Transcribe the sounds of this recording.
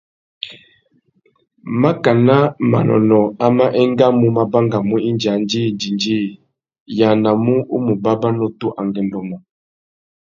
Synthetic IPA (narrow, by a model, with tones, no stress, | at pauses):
ma˦ka˨na˦ma̰˨nɔ̰˨nɔ˨a˦ma˦ʔɛ˦ŋ˦ɡa˦mu˦ma˦ba˦ŋɡa˨mu˦i˦nd͡ʒa˨˦nd͡ʒi˦˨nd͡ʒi˨nd͡ʒiː˦˨ | ja˨na˨mu˦u˦mu˨ba˦ba˦no˦tu˦ʔa˨ŋɡɛ˨ndɔ˨mɔ˨